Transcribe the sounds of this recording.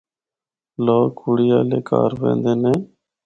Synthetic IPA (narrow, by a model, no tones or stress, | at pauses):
loːkʰuɽijaːleːkʰa̰ːɾʋḛ̃ːnd̪eːnẽː